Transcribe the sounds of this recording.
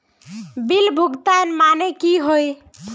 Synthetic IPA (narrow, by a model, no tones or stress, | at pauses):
bilbʱuɡt̪anmanekiɦoj